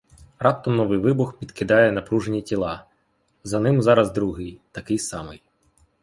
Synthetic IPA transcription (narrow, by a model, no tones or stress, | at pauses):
rɑp̚t̪ɔmnɔʋɪjʋɪbʊxpʲid̪kɪd̪ɑjɛnɐpɾuʒenʲitʲilˠɑ | zɐnɪmzɑɾɐzd̪ɾuɦɪjt̪ɐkɪjsɑmɪj